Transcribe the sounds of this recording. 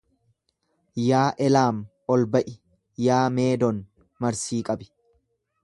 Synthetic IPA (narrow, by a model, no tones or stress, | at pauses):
jaːʔɛlaːm | ɔlbɐʔɪ | jaːme̞ːd̪ɔn | mɐɾsiːkʼɐbɪ̥